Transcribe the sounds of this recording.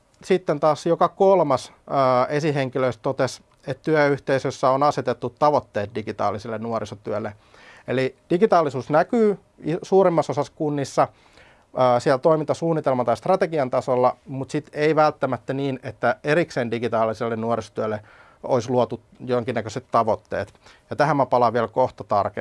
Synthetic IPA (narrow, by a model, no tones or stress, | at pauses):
sit̪ːent̪ɑːsjokɑkolmɑsː | esiɦeŋkiløist̪t̪ot̪es | et̪t̪yæyht̪eisøsːæonɑset̪et̪ːut̪tɑʋot̪ːeːt̪̚diɡit̪ɑ̰ːlːisilːennuorisot̪yølːe | elid̥iɡit̪ɑːlːisuːsnækyː | isuːrimːɑsosɑskunːisːɑː | siælt̪oimint̪ɑsuːnːit̪elmɑnt̪ɑist̪rɑt̪eɡiɑnt̪ɑsolːɑmut̪sit̪eiʋælt̪ːæmæt̪ːæniːnet̪ːæeɾikseːndiɡit̪ɑːlːˑiselːennuoriso̥t̪yølːe | oisluot̪u | joŋkinːækøset̪tɑʋot̪ːḛːt̪jɑt̪æhæmːæpɑlɑʋiɛlkoht̪ɑt̪ɑrke